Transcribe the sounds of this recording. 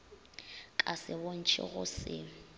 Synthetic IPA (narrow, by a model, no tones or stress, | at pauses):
kʼasɪbon̩t͡ʃʰɪ̰ɣʊ̰sɪ̰